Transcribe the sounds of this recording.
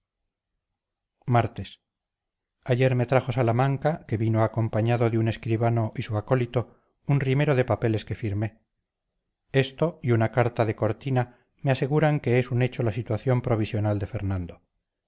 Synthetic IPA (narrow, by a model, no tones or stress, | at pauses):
maɾt̪e̞s | aʝe̞ɾme̞t̪ɾaχo̞salamãŋkake̞βinoako̞mpaɲaðo̞ðeune̞skɾiβano̞ʔisuako̞lit̪o̞ | unrime̞ɾo̞ðe̞pape̞le̞ske̞fiɾme̞ | e̞st̪o̞iunakaɾt̪aðe̞ko̞ɾt̪ina | me̞ase̞ɣuɾaŋke̞esune̞t͡ʃo̞lasit̪waθjo̞mpɾo̞β̞isjo̞nald̪e̞fe̞ɾnand̪o̞